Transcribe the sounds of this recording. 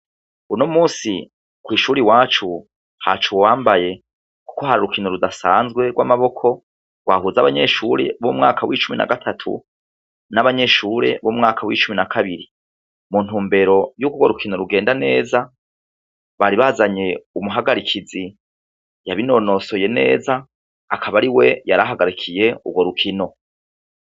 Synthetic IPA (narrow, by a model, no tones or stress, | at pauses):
unomuːsi | kwiːʃuːɾiwaːt͡ʃu | ha̰t͡ʃuwwaːmbaje̞ | ku̥ko̞haɾaɾukinoɾudasa̰ːnzɡwe̞ɡwamaβo̞kʰo̞ | ɡ̥wa̰ːɦuzaβaɲe̞ʃuːɾe̞βomŋaːkʰawit͡ʃumina̰ɡatʰatʰṵ | naβaɲe̞ːʃuːɾe̞̰βomŋaːkʰawḭːt͡ʃuminakʰaβiɾi | mun̥uːmbe̞ɾo̞juɡuɡwoɾukʰino̞ɾuɡe̞ːndane̞ːza | βaɾiβazaɲe̞umuɦaɡaɾikʰizi | jaβino̞no̞so̞je̞ne̞̰ːzaː | kʰaβaɾiwe̞jaɾaɦaɡaɾikʰije̞ṵɡwo̞ɾukʰino̞